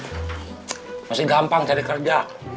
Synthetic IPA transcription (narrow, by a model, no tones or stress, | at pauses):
masɪɡampaŋt͡ʃaɾikərd͡ʒa